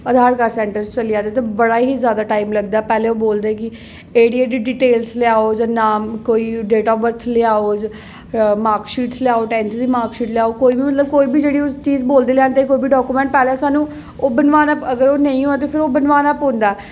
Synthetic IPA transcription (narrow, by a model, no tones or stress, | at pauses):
əd̪ʱaːɾkəɾsɛ̃ːɳʈəɾst͡ʃəlɪjaːd̪eːt̪ebəɽaːɦiːzjaːd̪aːʈaːimləɡd̪aːɛːpɛːleːoːboːld̪eːkɪ | eːɽiaːd̪iːɖiːʈeːlslɪaːoːd͡ʒãːnaːkoːiːɖeːʈaːʋəɾt̪ʰlɪaːoː | maːɾkʃiːʈslɪjaːoːʈɛ̃ːnsd̪iːmaːɾkʃiːʈlɪjaːokoːiːbiːmət̪ləb̚koːiːbʱiːd͡ʒeːɽiːot͡ʃiːzboːld̪eːlɛ̃ːnd̪eːkoːiːbiːɖɔːkuːmɛ̃ːɳʈ̚pɛːlesaːnũː | oːbənʋaːnəpəɡəɾoːnə̃ĩːɦoat̪̬eːpʰɪɾoːbənʋaːnəpɦõːnd̪aːɛː